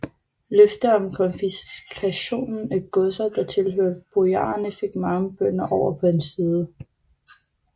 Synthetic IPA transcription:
løfd̥əɒ̽mkʰɒ̽nfiskʰæɕo̝̰ːnn̩æɡ̥ɔsɐd̥ɑ̈t͡sʰe̝lɦøɐ̰d̥̚b̥oɑ̰̈ɐnəfe̝ɡ̥mɑ̈ŋəb̥œn̰ɐʔɒʊ̰ɐpʰɒ̽e̝nsiːð̞ˠə

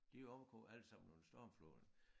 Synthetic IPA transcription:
d̥iɒʊkʰɔ̰æl̰̥sɑ̈m̰nɔsd̥ɒːmflo̰n

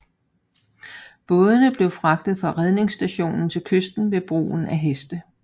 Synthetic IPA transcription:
b̥ɔ̽ːð̞ˠənəb̥le̝ʊfʁɑ̈ɡ̥̚d̥ð̩ˠfɑ̈ʁɛð̞ˠne̝ŋsd̥æɕo̝̰ːnn̩t͡sʰe̝lkʰøsd̥n̩ʋe̝b̥ʁṵːn̩æɦesd̥ə

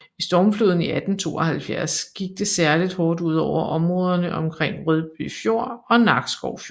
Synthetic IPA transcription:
isd̥ɒːmfloðˠn̩iʔæd̥n̩t͡sʰo̝̰ːɒhælfjæɐsɡ̥iɡ̥̚d̥e̝sæɐlid̥hɒːd̥uð̞̰ˠɒʊ̰ɐʔɒ̽mʁɔ̽ːðˠɐnəʔɒ̽mkʰʁeŋ̰ʁøð̞ˠb̥y̰fjo̝ɐ̰ɒ̽nɑ̈ɡ̥sɡ̥ɒʊ̰fjo

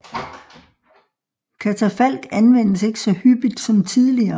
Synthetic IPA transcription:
kʰæt͡sʰæfæl̰ɡ̥ænʋen̰əse̝ɡ̥ə̥sɒ̽hyb̥id̥sɒ̽mt͡sʰiðˠliɐː

